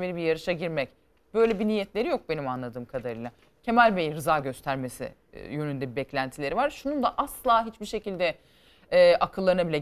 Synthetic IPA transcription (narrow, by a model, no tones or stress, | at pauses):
me̞ɾibiɾjaɾɯʃaɟiɾmɛc | b̥ø̞jlʲebiniːjɛt̪lʲe̞ɾijo̞k̚be̞nimanlˠad̪ɯːmkʰad̪aɾɯjlˠa | cʰe̞mælʲbejiɾɯzaːɟø̞st̪ʰæɾme̞sḭ | jø̞nynd̪ɛbibɛclʲænt̪ʰilʲe̞ɾivaɾʃunund̪aʔaslˠaːɦit͡ʃbiʃe̞cilʲd̪ɛ | ɛːʔakʰɯlˠːaɾɯnabilʲɛ